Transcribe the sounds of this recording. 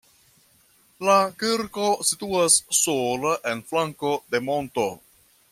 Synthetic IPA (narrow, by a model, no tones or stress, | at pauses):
lakiɾko̞situasːolaʔe̞nflaŋko̞de̞mo̞nto̞